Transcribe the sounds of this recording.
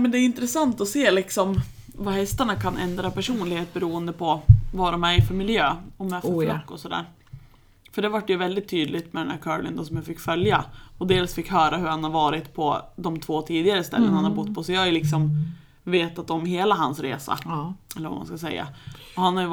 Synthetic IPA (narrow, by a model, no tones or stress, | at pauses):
mɛnd̪ɛɪnt̪ɾɛsant̪ɔseːlɪksɔm | vahɛst̪aɳakʰanʔɛ̰nd̪ɾapʰæʂuːnlɪɡheːt̪̚bɛɾuːənd̪əpʰɔvadɔmæɾfœɾmɪljøːɔmɛffflɔkːɔsɔd̪æ̰ːɾ | fœɖɛvaʈːjɵvɛld̪ɪt̪ʰːyːd̪lɪt̪mɛd̪ɛnhæ̰ɾkʰɑ̰ːlɪ̰nd̪ɔsɔmjafɪkːfœljaɔd̪eːlsfɪkːhœːɾaɦɵɾhanhaɾvɑːɾɪt̪pʰɔd̪ɔmt̪ʰvoːt̪ʰiːd̪ɪɡaɾəst̪ɛlːə̰nhanhaɾbʊt̪ːpʰɔsɛajlɪksɔm | veːt̪at̪ɔmɦeːlaɦansɾḛːsa̰ɛlːəɾva̰ma̰nskasɛ̰jːa̰ɔhanhaj